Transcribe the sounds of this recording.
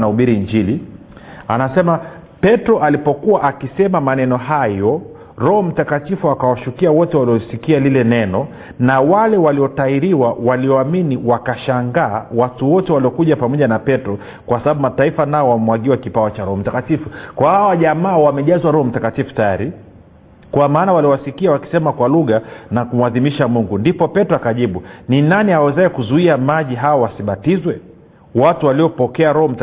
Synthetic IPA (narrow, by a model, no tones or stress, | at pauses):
nauɓiɾiɲd͡ʒili | anasɛma | pɛtɾɔʔalipɔkuwaʔakisɛmamanɛnɔɦajɔ | ɾɔhɔm̩takatifuakawaʃukiawɔtɛwaliɔsikialilɛnɛnɔ | nawalɛwaliɔtaiɾiwawaliɔaminiwakaʃaŋɡaːwatuwɔtɛwaliɔkuʄapamɔʄanapɛtɾɔ | kwasaɓaɓumataifanaɔwamwaɠiwakipaɔt͡ʃaɾɔhɔm̩takatifukwahawaʄamaːwamɛʄazwaɾɔhɔm̩takatifu̥tajaɾi | kwamaːnawaliwasikiawaki̥sɛmakwaluɣanakum̩uaðimiʃamuŋɡundipɔpɛtɔakaʄiɓuninaniawɛzaɛkuzuiamaʄiɦawawasiɓatizwɛ | watuwaliɔpɔkɛaɾɔhɔm̩t